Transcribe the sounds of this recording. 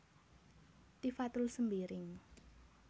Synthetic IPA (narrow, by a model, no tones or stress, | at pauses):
t̪ifat̪ʊlsəmbeɾɪŋ